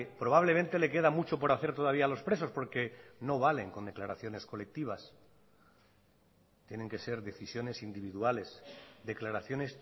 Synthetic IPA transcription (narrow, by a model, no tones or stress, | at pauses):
pɾo̞β̞aβ̞le̞mẽnt̪e̞le̞ke̞ðamut͡ʃo̞po̞ɾaθe̞ɾt̪o̞ð̞aβialo̞spɾe̞so̞spo̞ɾke̞no̞βale̞ŋko̞nd̪e̞klaɾaθjo̞ne̞sko̞lek̚t̪iβ̞as | t̪jenẽŋke̞se̞ɾðe̞θisjo̞ne̞sind̪iβ̞iðuale̞sd̪e̞klaɾaθjo̞ne̞s